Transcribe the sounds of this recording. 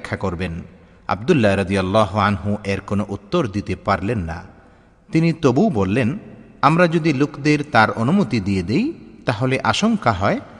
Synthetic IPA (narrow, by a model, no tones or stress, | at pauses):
kʰːakoɾben | a̰b̚d̪ulːaɾad̪ijalːaːɦoanɦuʔɛɾkonoʔut̪ːoɾd̪it̪epaɾlenːa̰ | t̪init̪obubolːen | amɾad͡ʑod̪ilokd̪eɾt̪aɾonumot̪id̪ied̪ejt̪aɦoleʔaʃoŋkaɦɔe